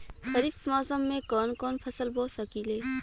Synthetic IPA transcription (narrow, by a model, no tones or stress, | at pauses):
ʃɐɾiːfmɔːsəmːẽkɔːnkɔːnpʰɐsəlboːsəkiːleː